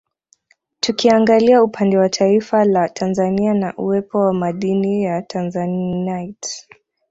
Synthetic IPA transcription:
tukiaŋɡaliaupʰandɛwatʰaifalatʰanzanianaʔuwɛpʰɔwamaɗinijatʰanzanajt

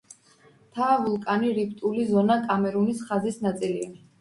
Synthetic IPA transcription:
t̪ʰaːvulˠkʼaniɾip̚ʰt̪ʼulizɔnakʼamɛɾunisχazisnat̪sʼilia

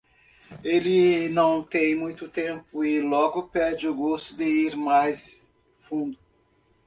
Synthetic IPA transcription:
elɪnɐ̃w̃t̪ẽj̃mũj̃t̪ʊt̪ẽpʊɪlɔɡʊpɛɾd͡ʒɪʊɡost̪ʊd̪ɪiɾmajs | fũnd̪ʊ

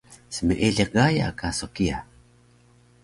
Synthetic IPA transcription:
səməʔeɮeq̚ɡaja̰kasokia

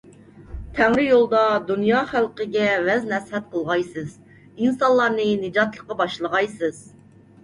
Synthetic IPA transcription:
t̪ʰæŋɾɪjolˠd̪ɑd̪unjɑːχælˠqəɡʲɛvɛznɛshɛt̪̚qʰəlˠʁɑjsɨz | insɑnlˠɑɾnɨnɨd͡ʒɑt̪lˠəqːɑbɑʃlˠəʁɑjsɨz

